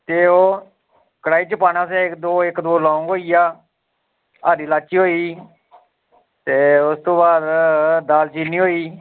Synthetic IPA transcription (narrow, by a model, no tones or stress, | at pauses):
t̪eːoː | kəɽaːiːt͡ʃəpaːnãːsɛ̃ːɪkd̪oːɪkd̪oːlãːũŋɡɦoːiːaː | aːɾiːlaːt͡ʃiːɦoːiː | t̪eːʊst̪õːbaːd̪d̪aːlt͡ʃiːniːɦoːiː